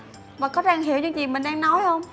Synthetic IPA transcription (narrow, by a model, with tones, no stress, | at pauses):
vaː˨˩kɔ˨˦zaː˧˩ŋɦi˧˩˨əwt͡ɕɨ̰˧˦t͡ɕi˨˩mï˨˩ŋ̟ɗaː˧ŋnɔ˨˦jhə˧wŋ͡m